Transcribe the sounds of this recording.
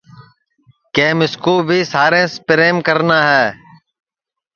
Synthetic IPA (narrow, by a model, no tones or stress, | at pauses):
kẽːmɪskuːbʱiːsaːɾẽːspɾeːmkəɾnaːɦɛː